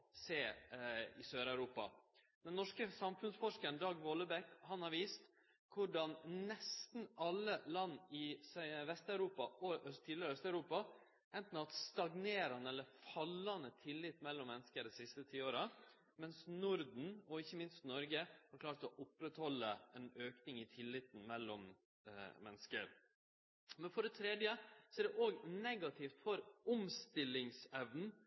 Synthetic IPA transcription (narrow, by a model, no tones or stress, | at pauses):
seː | ɪsøːɾæʉɾuːpɑ̰ | d̪ɛnːɔʂkəsɑmfʉnsfɔʂkəɾnd̪ɑːɡʋɔlːəbɛkhɑnhɑɾʋiːst̪ | kʰʊɖɑnnɛst̪n̩ʔɑlːəlɑnːɪsʋɛst̪ɑʉɾuːpɑɔt̪ʰid̪lɪɾœst̪ɑʉɾuːpɑ | ʔɛnt̪n̩ɑt̪st̪ɑɡneːɾɑnəɛlːəɾfɑlːɑnət̪ʰɪlːɪt̪mɛlːɔmːɛnskəɖɛsɪst̪ət̪ʰiːoːɾə | mɛnsnʊɾd̪n̩ɔɪçːəmɪnst̪nɔɾɡəhɑɾkʰlɑːɾt̪ɔʔʊpːɾɛt̪hɔlːəɛnøːknɪŋɪt̪ʰɪlːɪt̪n̩mɛlːɔm | mɛnskə̰ɾ | mɛnfɔɖɛt̪ʰɾeːd̪jəsɔɛɖɛʔoːɡnɛɡɑt̪ʰɪft̪fɔɾʊmst̪ɪlːɪŋsɛʋn̩